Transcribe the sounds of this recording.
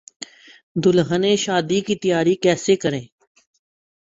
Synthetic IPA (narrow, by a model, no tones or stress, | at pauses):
d̪ʊlɦənẽːʃaːd̪ikit̪əjaːɾikɛːseːkəɾẽː